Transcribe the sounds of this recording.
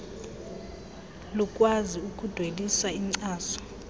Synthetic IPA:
lukʼwaziukʼud̥ʱwelisaiŋ͡ǀaːsɔ̥

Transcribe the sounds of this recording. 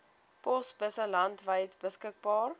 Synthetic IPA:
pɔsbəsəlɐntvəjtbəskək̚bɑːr

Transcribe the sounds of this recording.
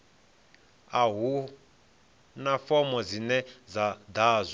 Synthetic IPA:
aɦu | nafɔmɔzinɛd͡zad̪aːzʷɔ

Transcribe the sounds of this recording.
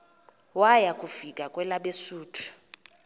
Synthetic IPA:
wajakʼufikʼakʼwɛlaɓesuːtʰu̥

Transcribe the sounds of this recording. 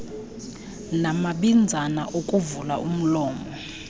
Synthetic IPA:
namaɓind͡zʱanaʔokʼuvulaum̩lɔːmɔ

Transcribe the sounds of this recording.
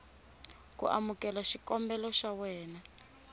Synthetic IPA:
kṵʔa̰mukɛlaʃikɔmbɛlɔʃawɛːna

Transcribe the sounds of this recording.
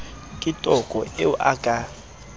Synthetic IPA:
kʼitʼɔkʼɔeuʔa̰kʼa

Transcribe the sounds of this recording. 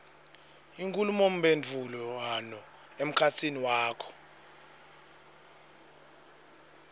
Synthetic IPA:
iŋkʼulumom̩ɓend͡ɮʱulɔanɔ | em̩kʰat͡sʰiniwaːkʰɔ̥

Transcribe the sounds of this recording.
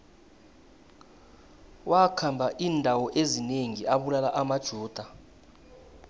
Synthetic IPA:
wʔakʰambʱaʔiːndʱawɔʔezineŋiaɓulalaʔamad̥ʒ̥ʱuːd̥ʱa

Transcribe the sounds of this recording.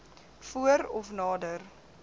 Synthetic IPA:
fuəɾɔfnɑːdər

